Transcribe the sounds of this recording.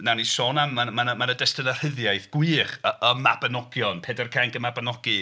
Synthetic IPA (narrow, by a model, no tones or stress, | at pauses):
nanisoːnamːamanəmanədɛstənər̥əðjajθɡ̥wiːχəəmabənɔɡjɔnpʰɛdərkʰaŋkəmabənɔɡ̥i